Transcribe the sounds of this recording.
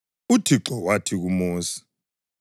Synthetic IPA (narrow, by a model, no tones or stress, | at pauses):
utʰiǁɔwatʰiɣumɔːsi̥